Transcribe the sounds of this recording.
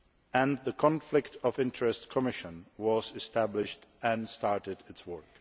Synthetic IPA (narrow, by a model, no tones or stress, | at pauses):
æ̃nðəkʰɔ̃nflɪktʰɔvɪ̃ntəɹɛstkʰəmɪʃə̃nwʌzɨstæblɪʃtɛ̃nstɑɹtɪdɪtswɜ˞k